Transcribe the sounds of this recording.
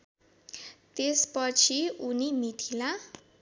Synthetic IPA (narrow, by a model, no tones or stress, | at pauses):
t̪espʌt͡sʰiunimit̪ʰila